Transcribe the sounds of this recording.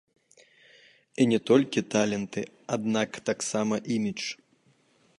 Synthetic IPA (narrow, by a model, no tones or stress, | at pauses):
inʲɛt̪ɔlʲkʲit̪alʲɛnt̪ɨ | ad̪nakt̪aksamɐʔimʲit͡ʂ